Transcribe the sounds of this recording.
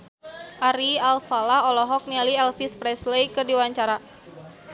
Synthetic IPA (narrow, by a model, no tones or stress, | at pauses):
ʔaɾialfalaɔlɔɦɔk̚nialiɛlfispɾɛslekɨrdiwaɲt͡ʃaɾa